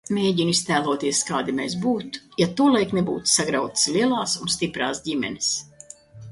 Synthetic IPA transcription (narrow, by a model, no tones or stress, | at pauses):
mʲeːɟinist̪æːlˠuɔt̪iɛskaːd̪imʲɛsbuːt̪jat̪uɔlˠajknebuːt̪saɡɾawt̪ɨ̥slʲiɛlˠaːsunst̪ipɾa̰ːsɟʲimʲɛ̰nɪs